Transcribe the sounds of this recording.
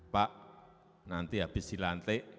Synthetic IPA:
paʔ | nant̪iɦab̥ɪ̤silant̪eʔ

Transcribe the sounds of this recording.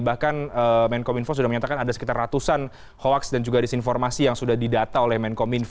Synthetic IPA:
bahkanəmɛnkominfos̬udahməɲat̪akanadasəkit̪arːat̪usan | hoaksdand͡ʒuɡadisinfɔrmasijaŋsudahdidat̪aolɛhmɛnkominf

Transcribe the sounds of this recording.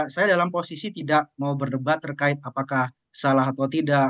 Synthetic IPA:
sajadalamposisit̪idaʔ̚maubərdəbat̪ːərkaɪt̪̚apakah | salaɦat̪awt̪ida

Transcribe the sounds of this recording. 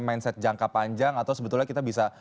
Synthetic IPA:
mainsɛt̪̚d͡ʒaŋkapaɲd͡ʒaŋat̪awsəbət̪ulɲakit̪abisa

